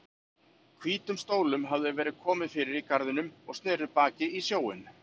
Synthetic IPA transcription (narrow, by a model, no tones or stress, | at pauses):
kʰviːt̪ʏmst̪oːwlʏmɦavðʏvɛːɾɪð̥kʰɔːmɪðfɪɾɪɾikaɾðɪnʏmɔɣst̪nɛːɾʏpaːcɪisjoːwɪ̰n